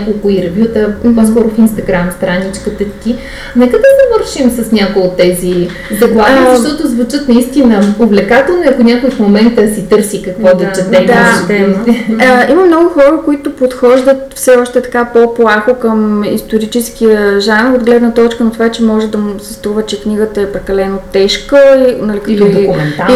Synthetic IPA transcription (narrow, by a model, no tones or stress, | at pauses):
akolˠkʊiɾɛvʲjut̪əposkɔɾʊfinst̪ɐɡɾamst̪ɾanit͡ʃkət̪ət̪ki | nɛkəd̪ɐzɐvəɾʃimsɐsnʲakojot̪ːɛzi | zɐɡlˠaʃt̪ɔt̪ʊzvut͡ʃət̪nɐist̪inəovlɛkat̪ɛlˠnoɛɐkʊnʲakʊjfmomɛnt̪əsit̪ɤɾsikɐkvɔd̪ɐt͡ʃɛt̪ɛmd̪at̪ɛmɛiməmnɔɡʊxɔɾəkoit̪opot̪xɔʒd̪ət̪fsɛɔʃt̪ɛt̪ɐ̥kapoplˠaxokəmḭst̪oɾit͡ʃɛsk̟ijəʒanɾod̪ɡlɛd̪nət̪ɔt͡ʃkənot̪ovat͡ʃɛmɔʒɛd̪ɐsɛst̪ɾuvət͡ʃɛkniɡət̪əɛpɾɛkɐlɛnott̪ɛʃkəinɐlik̪d̪oikʊmɛnai